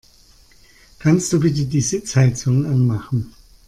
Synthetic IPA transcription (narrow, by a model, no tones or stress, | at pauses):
kʰanst̚d̥uːbɪt̬ədiːzɪt͡shaɪt͡sʊŋənʔanmaχn̩